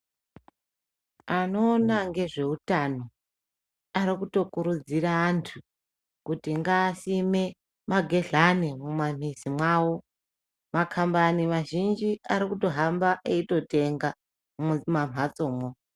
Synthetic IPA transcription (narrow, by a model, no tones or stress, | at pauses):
ano̞ːnaŋɡe̞ʐe̞utano̞ | aɾikuto̞kuɾud͡ziɾaːntʰu | kutiŋɡaːsime̞ | maɡʱe̞ɮanimumam̤izimwaːwo̞ | makʰambaniʋaʒind͡ʒiaɾikuto̞ɦambaʔeito̞te̞ŋɡa | mam̤ʱat͡so̞ːmwo